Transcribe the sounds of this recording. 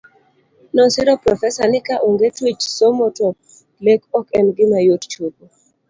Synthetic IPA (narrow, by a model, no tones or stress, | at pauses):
nɔsɪɾɔpɾɔfɛsanɪkaʔoŋɡetwit͡ʃsomɔtɔ | lekɔkɛnɡɪmajott͡ʃobo